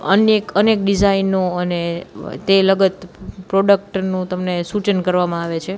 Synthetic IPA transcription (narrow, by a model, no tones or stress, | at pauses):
ə̰njekənekɖid͡ʒainːoənet̪eləɡət̪pɾoɖək̚ʈnũt̪əmnesut͡ʃənkəɾʋamãaʋet͡ʃʰe